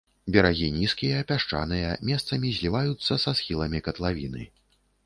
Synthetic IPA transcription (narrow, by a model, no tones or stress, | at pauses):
bʲɛɾaɣʲinʲiskʲijɐːpʲaʂt͡ʂa̰nɨjɐmʲɛst̪sɐmʲizʲlʲivajut̪sːɐsasxʲilˠɐmʲikɐt̪lˠavʲinɨ̰